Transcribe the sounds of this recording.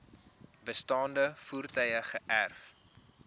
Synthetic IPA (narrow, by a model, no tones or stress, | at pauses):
bəstɑːndəfuːrtœjəχəʔærf